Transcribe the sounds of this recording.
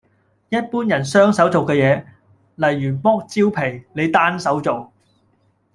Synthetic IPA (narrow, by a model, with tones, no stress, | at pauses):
jɐ˥t̚puː˥njɐ˨˩nsœː˥ŋsɐ˨˥wt͡so˨wkɛː˧jɛː˨˧ | lɐ˨˩jːyː˨˩mɔː˥k̚t͡siː˥wpʰe˨˩jle˨˧jt̪aː˥nsɐ˨˥wt͡so˨w